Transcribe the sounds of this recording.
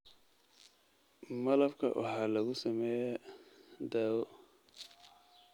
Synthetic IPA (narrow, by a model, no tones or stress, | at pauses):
mɐlɐbkʰɐ̰wʔɑ̰ħɑːlɐɣʊsɐmɛːja | d̪aːwɔ